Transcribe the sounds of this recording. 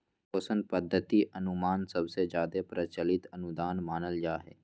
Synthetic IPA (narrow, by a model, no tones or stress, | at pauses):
oːsənpəd̪ʱːət̪iʔənʊmaːnsəbsed͡ʒjaːd̪epɾət͡ʃəlɪt̪ənʊd̪aːnmaːnəld͡ʒaːɦɛ̰ː